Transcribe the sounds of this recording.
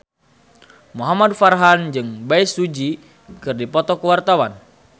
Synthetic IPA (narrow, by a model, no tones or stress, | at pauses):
muɦamadfarɦand͡ʒɨŋbaisud͡ʒi | kɨrdipɔt̪ɔkəwart̪awan